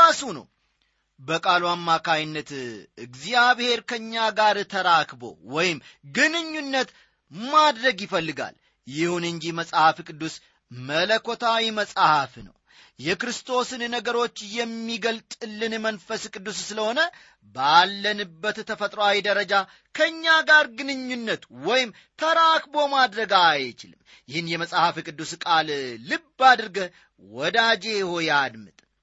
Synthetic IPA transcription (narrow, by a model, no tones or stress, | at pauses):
asunə̰w | bəkʼaluamːakʰajnːət̪ɨɡzijaβhe̞ɾkʰəɲːaɡaɾt̪ʰəɾakbo̞̰wɔjɪmɡɨnɨɲːunːət̪ | mad̪ɾəɡjɪfəlːɨɡa̰l | jɪhunɨɲd͡ʒiməsʼhafkʼɨd̪ːus | mələkʰot̪ʰawiməsʼhafnə̰w | jɛkɾɨst̪ʰo̞sɨnnəɡəɾo̞t͡ʃːjɛmːiɡəlt̪ʼɨlːɨnmənfəskʼɨd̪ːusːɨləho̞nə | balːənɨbːət̪t̪ʰːəfət̪ʼɾowawid̪əɾəd͡ʒa | kʰəɨɲːaɡaɾɡɨnɨɲːunːət̪wɔjɪm | t̪ʰəɾakbomad̪ɾəɡajt͡ʃɪlɨmː | jɪhɨnjɛməsʼhafikʼɨd̪ːuskʼalːɨbːad̪ɨɾɡə | wɔd̪ad͡ʒejho̞jad̪mɨt̪ʼ